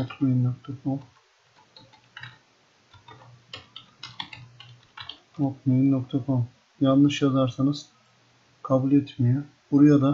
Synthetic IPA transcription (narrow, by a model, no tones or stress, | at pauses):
okmennokt̪ʰakʰom | okmenok̚t̪ʰakʰom | janˠnːɯʃjazaɾsanɯz̥ | kʰabulʲɛt̪mijɛ | buɾujad̪a